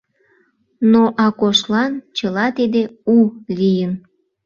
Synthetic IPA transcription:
noʔɑkoʃlɑnt͡ɕəlɑt̪id̪eulijən

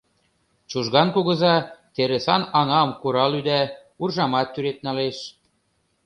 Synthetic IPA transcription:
t͡ɕuʒɣɑnkuɣɤ̆zɑt̪eɾesɑnɑŋɑmkuɾɑlyd̪æ | urʒɑmɑt̪ːyɾet̪̚nɑleʃ

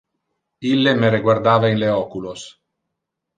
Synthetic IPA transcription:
ilːemeɾeɡward̪aːvainleɔkulos

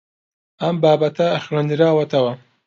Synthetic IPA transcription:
ɐmbaːbɐt̪ʰɐːxɾɐnd̪ɨɾaːwɐt̪ɐwɐ

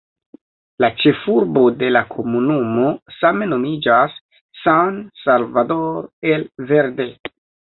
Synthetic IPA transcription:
lat͡ʃe̞fuɾbo̞de̞lakʰo̞munumo̞same̞no̞mid͡ʒasː | ansalvado̞ɾe̞lve̞ɾde̞

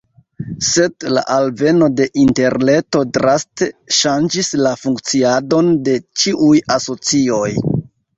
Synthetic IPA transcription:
se̞dla̰ʔalve̞no̞de̞ʔinte̞ɾne̞to̞dɾasteʃand͡ʒislafuŋkt͡siado̞nde̞t͡ʃiʔujaso̞t͡sio̞j

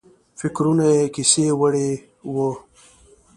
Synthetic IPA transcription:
fɪkɾunajekisewəɽe | wo

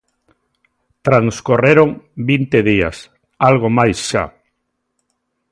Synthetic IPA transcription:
t̪ɾaŋskoreɾoŋbint̪eðia̰s | alɣ̞omajsʃa̰

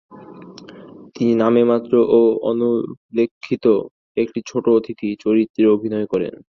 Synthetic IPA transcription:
t̪ininamemat̪ːɾoʔoo̰nulekʰːit̪o | ekʈit͡ɕʰoʈood̪ʱikit͡ɕoɾit̪ːɾeobʱinɔekɔɾḛn

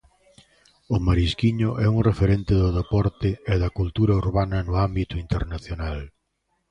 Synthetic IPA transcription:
ʊmaɾiskiɲʊʔɛuŋrefeɾent̪ɪðʊðepɔɾt̪ɪeðɐkult̪uɾɐuɾβanɐnʊambit̪ʊint̪eɾnaθjonal

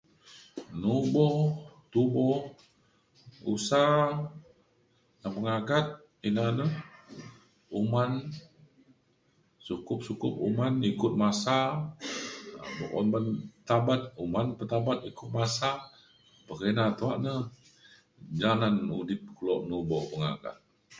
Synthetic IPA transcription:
nubɔt̪ubɔh | ṵsa | napəŋaɡat̪̚ | inanəh | uman | sukʊp̚sukʊp̚umanikʊt̪̚masa | bɔkɔ̰nbant̪abat̪̚umanpət̪abat̪̚ikʊt̪̚masa | pəkenat̪uaʔnəh | d͡ʒananudɪp̚kulɔʔnubɔʔpəŋa̰ɡa̰t̪̚

